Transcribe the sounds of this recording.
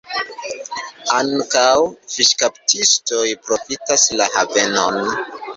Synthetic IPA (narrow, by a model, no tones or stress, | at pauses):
aŋkawfiʃkaptʰistojpɾo̞fitaslahave̞no̞n